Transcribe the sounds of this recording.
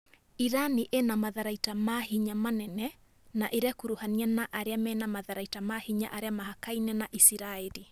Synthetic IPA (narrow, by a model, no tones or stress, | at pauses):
iɾaniʔenamaðaɾaitamahiɲamanɛnɛ | naʔeɾeakuɾuhanianaʔaɾeamɛnamaðaɾaitamahiɲa̰ʔaɾeamahakainɛnaʔisiɾaɛli